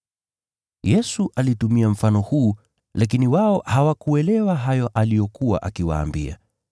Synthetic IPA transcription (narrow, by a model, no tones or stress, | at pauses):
jɛsuʔalitumiam̩fanɔhuː | lak̬iniwaɔhawakuɛlɛwaɦajɔʔalijɔkuwa̰ʔakiwa̰ːmbia̰